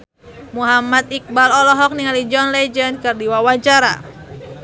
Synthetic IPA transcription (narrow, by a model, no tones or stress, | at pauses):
muɦamat̪ik̚balɔlɔɦɔk̚niŋalid͡ʒɔnlɛd͡ʒənkɨrdiwawat͡ʃaɾa̰